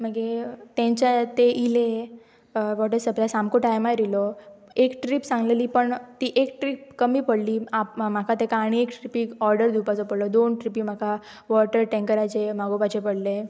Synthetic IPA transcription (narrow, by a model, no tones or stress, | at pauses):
m̤əɡet̪ẽɲt͡ɕat̪eʔile | ʋɔʈəsəplasamkoʈajmaɾilɔekʈɾipsãŋɡleliːpəɳt̪iʔekʈɾip̚kəmiːpəɽliːam̤akʰat̪ekaɽ̃iekʈɾipiɔɾɖəɾd̪ʱupat͡sɔpəɽlɔd̪onʈɾipiːm̤akʰa | ʋɔʈəɾʈẽŋkəɾat͡ɕemaɡobat͡ɕepəɽle